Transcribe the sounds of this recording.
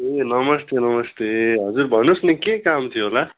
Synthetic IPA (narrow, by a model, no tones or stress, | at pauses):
enʌmʌst̪enʌmʌst̪eɦʌd͡zurbʱʌnusnekekamt̪ʰjiɦola